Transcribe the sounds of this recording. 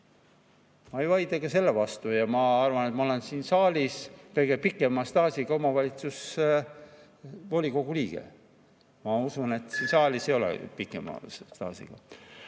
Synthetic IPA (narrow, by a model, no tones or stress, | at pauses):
mɑejvɑjd̪ɑɡ̥ɑse̞lːevɑst̪ujɑmɑɑrvɑnet̪mɑo̞le̞nsiːnsɑːlʲiskɤjɡe̞pikːˑe̞mɑst̪ɑːsʲiɡɑo̞mɑvɑlʲit̪sus | volʲiko̞ɡ̥uliːɡ̥e̞̰ | mɑusune̞t̪ːˑsiːnsɑːlʲisejo̞lɛ̰pikːˑḛmɑ̰st̪ɑ̰ːsʲḭɡ̥ɑ̰